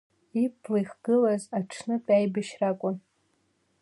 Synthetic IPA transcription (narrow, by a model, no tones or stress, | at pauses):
ipʰlajχɡ̥ɨlazaʈ͡ʂʰnɨpʼajbaʃrakʷʼʊn